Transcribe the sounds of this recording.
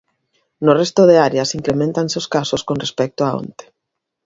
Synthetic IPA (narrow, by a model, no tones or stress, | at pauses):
norɛst̪oðeaɾeasiŋkɾemẽnt̪anseoskasoskonrespɛk̚t̪oao̰nt̪e̥